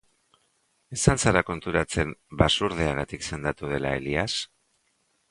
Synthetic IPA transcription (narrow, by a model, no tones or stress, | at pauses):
e̞sansaɾako̞nt̪uɾat͡se̞mbasuɾð̞eaɣ̞at̪ikse̞nd̪at̪uð̞e̞lae̞̰lias